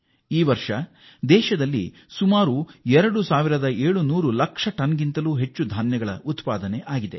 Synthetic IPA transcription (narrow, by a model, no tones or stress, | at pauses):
iːʋɐɾʂɐ | d̪ɛːʃɐd̪ɐlːḭ | sumaːɾuɛɾɐɽusaːʋiɾɐd̪ɐeːɭunuːɾulɐkʂɐʈɐnɡint̪ɐluːɦe̞t͡ʃːud̪ʱaːnjɐɡɐɭɐ̰ʔut̪paːd̪ɐneʔaːɡid̪e̞